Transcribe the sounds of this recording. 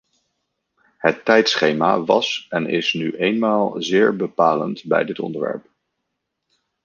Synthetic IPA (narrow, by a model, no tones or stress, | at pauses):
ɦətːɛjtsχejmaʋɑ̰sɛnɪsnyʔejnmaːlˠzɪːɹbəpaːlə̰ntbɛ̰jdɪtɔ̰ndəɹʋɛ̰ɹp